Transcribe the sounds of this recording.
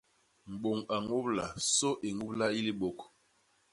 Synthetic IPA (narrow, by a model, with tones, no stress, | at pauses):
m̩˨ɓo˨ŋa˨ŋu˦bla˨so˦ʔe˨ŋu˦bla˦i˦li˦ɓo˨k